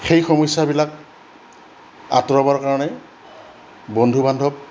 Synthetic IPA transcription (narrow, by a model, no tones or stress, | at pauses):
xejxɔmɔjsːabilak̚ | a̰tɹɔbaɹkaɹɔnɛ | bondʱubandʱɔb̚